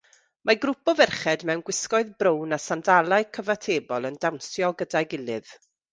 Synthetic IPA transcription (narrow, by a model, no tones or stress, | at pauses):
maɡɾʊpɔvɛrχɛdmɛwnɡwɪskɔɨðbrownasandalˠaɨkʰəvatʰeːbɔlˠəndawnsjɔɡədaɡɪlˠɨð̥